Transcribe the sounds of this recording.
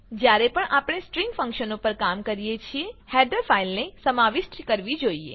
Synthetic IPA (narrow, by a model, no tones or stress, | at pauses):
d͡ʒjaɾepəɳʔapɽ̃esʈɾiŋɡfə̃ŋkʃənopəɾkamkəɾijet͡ʃʰiehɛɖəɾfʰailnesəmaʋɪʃʈkəɾʋid͡ʒoiḛ